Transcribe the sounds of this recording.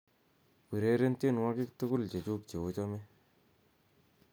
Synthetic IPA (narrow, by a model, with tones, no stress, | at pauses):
pi˨ɾe˦ɾe˦nte˦˨nwa˦kɪ˦k̚t̪u˦ku˦lt͡ʃe˨t͡ʃu˦k̚t͡ʃe˨wo˦t͡ʃɔ˦me˦